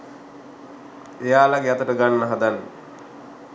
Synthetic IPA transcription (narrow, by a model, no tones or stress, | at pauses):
ejaːlaɡejat̪əʈəɡanːəɦad̪anːə